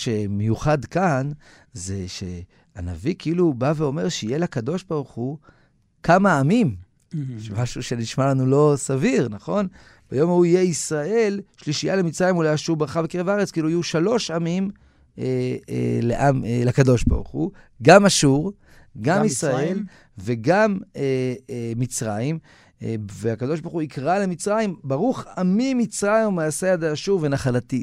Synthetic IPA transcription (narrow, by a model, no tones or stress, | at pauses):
ʃe̞mejuχadkan | ze̞ʃe̞̰ | ana̰vikʰiilubaveo̞me̞ʁʃeijelakad̪o̞ʃbaʁuχu | kamaːmim | ʃemaʃuʃe̞niʃmalanulo̞saviʁnaχo̞n | b̥ajo̞mauije̞isʁae̞lʃliʃijalemit͡sʁajemulajaʃuʁbʁaχabekeʁevaaʁet͡skiluajuʃalo̞ʃamim | ḛleʔamlakad̪o̞ʃba̰ʁχuɡamaʃuʁ | ɡamisʁae̞l | ve̞ɡamemit͡sʁaim | veakad̪oʃbaχuikʁale̞mit͡sʁaimbaʁuχamimit͡sʁajmumaasead̪eaʃuʁvenaχalat̪i